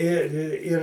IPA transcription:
ɪ ɪ ɪ ˈɪr

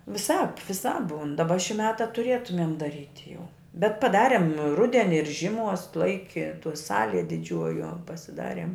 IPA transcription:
ʋʲɪˈsɑːp ʋʲɪˈsɑːp ˈbuːn dɐˈbɐ ʃʲɪ ˈmʲæːtɐ tʊˈrʲeːtʊmʲeːm dɐˈrʲiːtʲ jɛʊ bʲɛt pɐˈdɑːrʲɛm ˈrʊdʲɛnʲɪ ɪr ʒʲɪˈmuɔs ˈlˠɐɪkʲɪ tuɔ ˈsɑːlʲiɛ dʲɪˈd͡ʒʲuɔjuɔ pɐsʲɪˈdɑːrʲiɛm

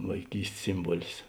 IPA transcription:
ʋɐɪˈkʲiːsʲtʲs ˈsʲɪmbuɔlʲɪs

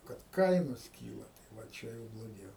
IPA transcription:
kɐt ˈkɐɪnoːs ˈkʲiːlˠɐ tɐɪ ʋɐ ˈt͡ʃʲɛ jɛʊ blˠoːˈɡʲɛʊ

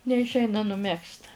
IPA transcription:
nʲɛɪʃʲˈɛɪnɐ nʊˈmʲɛkst

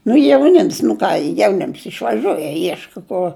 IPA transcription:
nʊ jɛʊˈnʲɪms nʊ ˈkɑː jɛʊˈnʲɪms ɪʃʋɐˈʒʲuɔj jiɛ ˈiɛʃkɐ ˈkʊr

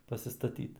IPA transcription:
pɐsʲɪstɐˈtʲiːt

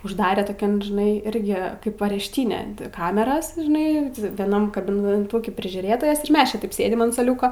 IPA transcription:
ʊʒˈdɑːrʲeː toːˈkʲɛn ʒʲɪˈnɐɪ ˈɪrʲɡʲɪ ˈkɐɪp ɐrʲɛʃʲˈtʲiːnʲɛ ˈkɑːmʲɛrɐs ʒʲɪˈnɐɪ ʋʲiɛˈnɐm kɐbʲɪnʲɛˈtuːkʲɪ pʲrʲɪʒʲuːˈrʲeːtoːjɛs ɪr ˈmʲɛs t͡ʃʲɛ ˈtɐɪp ˈsʲeːdʲɪm ɐn suɔˈlʲuːkoː

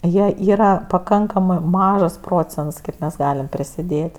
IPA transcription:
ˈjiɛ ˈiːrɐ pɐˈkɐŋkɐmɜ ˈmɑːʒɐs ˈproːt͡sʲɛnts ˈkɐɪp mʲɛs ˈɡɑːlʲɪm pʲrʲɪsʲɪˈdʲeːtʲ

